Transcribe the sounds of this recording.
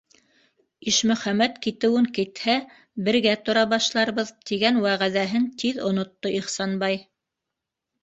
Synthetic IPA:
iʃmɵ̆χæmæt̪kit̪ɘ̆wɘŋkɘ̆t̪hæ | bɘ̆ɾɡæt̪ŏɾɑβɑʃlˠɑɾβɤðt̪iɡænwæʁæðæɦɘnt̪ʰiðŏnŏt̪ːoʔiχsɑnbɑj

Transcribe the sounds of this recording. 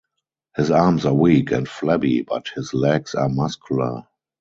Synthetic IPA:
hɪsaːmsawiːkʰɛ̰̃ntflɛbḭba̰thɪslɛɡsa̰ːmaskʰjulə̰

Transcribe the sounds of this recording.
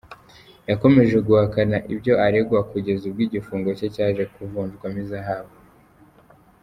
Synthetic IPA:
jako̞me̞ʒe̞ɡuhakanaʔibɟo̞aɾeɡwakuɟe̞zubɡiːɟifuːŋɡo̞cecaːʒe̞kuvuːnd͡ʒɡwamizaɦaβo

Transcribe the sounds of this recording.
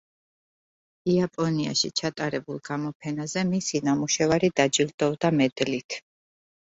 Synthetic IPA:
iapʼɔnia̰ʃḭt͡ʃʰat̪ʼaɾɛbulˠɡamɔpʰɛnazɛmisinamuʃɛvaɾid̪ad͡ʒild̪̥ɔvd̪amɛd̪lit̪ʰ

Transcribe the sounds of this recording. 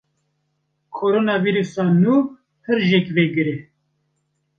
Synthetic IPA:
kʰoɾoːnɑːviːɾusɑːnuː | hɨɾʒɛkveɡɨɾe

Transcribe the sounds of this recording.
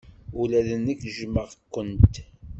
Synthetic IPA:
ulæðənːəkːʒməʁkʷːənt̪

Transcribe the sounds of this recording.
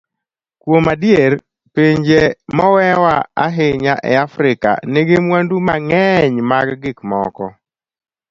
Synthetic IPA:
kwomadjeɾ | peɲd͡ʒemɔwɛwaa̰ɦɪɲaʔɛ̰afɾɪka̰neɡemwandumaŋɛɲmaɡɡɪkmɔ̰kɔ̰

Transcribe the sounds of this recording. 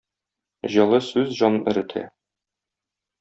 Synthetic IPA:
ʑɒlˠɤsʉzʑɒnɤnɘ̆ɾɘ̆t̪ʰæ̰

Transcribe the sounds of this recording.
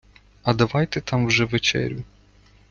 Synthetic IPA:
ɐd̪ɐʋɑjt̪ɛt̪ɑmwʒɛʋet͡ʃɛ̰ɾʲjʊ

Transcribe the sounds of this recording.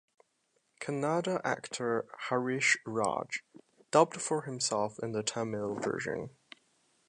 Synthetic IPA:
kʰənɑɾəʔæ̰ktʰə˞haɹɪʃɹɑ̰̥d͡ʒ | d̥ʌb̚tfə˞hɨ̃msɛlˠfɪ̰̃nðətʰɛmɪlˠvɜ̰˞ʒɨ̰̃n

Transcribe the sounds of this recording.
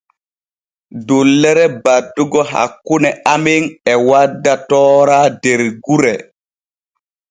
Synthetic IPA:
dolːɛɾɛbadːuɡɔɦa̰kːunɛʔameŋɛwadːatɔːɾaːdeɾɡuɾɛ

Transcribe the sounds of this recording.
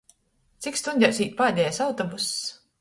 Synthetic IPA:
t̪sikst̪unʲdʲawsʲiːt̪̚paːd̪ʲɛjasawt̪ɔbus

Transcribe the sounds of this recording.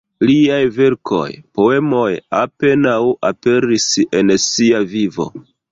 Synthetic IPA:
liajve̞ɾkʰo̞̰jpo̞e̞mo̞jape̞nawape̞ɾise̞nsiavivo̞̰

